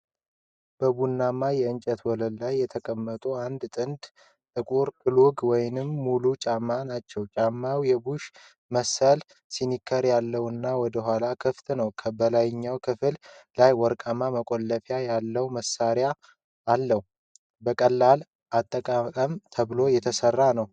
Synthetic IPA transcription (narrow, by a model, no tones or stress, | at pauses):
b̥əbunːamːajɛɨɲt͡ʃʼət̪wɔləllajːɛt̪ʰəkʼəmːət̪ʼuand̪t̪ʼɨnd̪ | t̪ʼɨkʼuɾkʰɨlʊɡwɔjnɨmːulut͡ʃʼamːanat͡ʃːɛwt͡ʃʼamːawjɛbuʃ | məsːəl | sinikʰəɾjalːəwɨnːawɔd̪əɦʷalakʰɨft̪ʰnəwkʰəbəlajɪɲːawkʰɨfɨllajwɔɾkʼamaməkʼolːəfjajalːəwməsːaɾjaː | lːəhu | bəkʼəlːal | ʔat̪ʼːəkʼakʼəmt̪ʰəβlo̞jɛt̪ʰəsərːanəw